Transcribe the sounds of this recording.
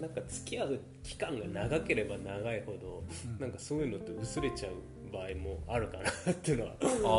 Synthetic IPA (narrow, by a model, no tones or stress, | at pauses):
nãŋkat͡sɨ̥kʲiaɯ | kʲi̥kãŋɡanaɡake̞ɾe̞banaɡaiho̞d̪o̞nãŋkaso̞ːjɯ̟no̞t̪ːe̞ɯ̟sɨɾe̞t͡ɕaɯ̟ | baːimo̞aɾɯ̟kanat̪ːe̞ɯ̟noβa̰